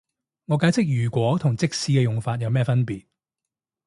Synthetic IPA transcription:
ŋɔː˨˧kaː˨˥jt͡sʰɪ˥k̚jyː˨˩kʷɔː˨˥t̪ʰʊ˨˩ŋt͡sɪ˥k̚siː˨˧kɛː˧jʊ˨ŋfaː˧t̚jɐ˨˧wmɛː˥fɐ˥npiː˨t̚

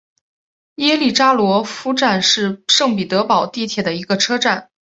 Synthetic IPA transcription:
jɛ˥li˥˩ʈ͡ʂa˥lwɔ˧˥fu˥ʈ͡ʂa˥˧nʂɻ̩˥˧ʂɤ˥˩ŋpi˨˩t̪ɤ˧˥pɑ˨˩ʊt̪i˥˩t̪ʰjɛ˨˩d̪ə˩i˧˥ɡə˧ʈ͡ʂʰɤ˥ʈ͡ʂa˥˩n

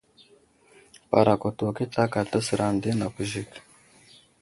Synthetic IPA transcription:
pa̰˨ɾa˨ko˨to˨ke˦ta˦ka˨ta˦si˨ɾʔa˨nde˦na˨ku˨ʒi˦k

